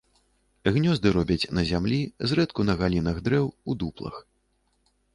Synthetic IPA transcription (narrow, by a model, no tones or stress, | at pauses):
ɣnʲɔzd̪ɨɾɔbʲɐt͡sʲnɐzʲamlʲizrɛt̪kunɐɣalʲinɐɣd̪ɾɛwud̪uplˠɐ̰x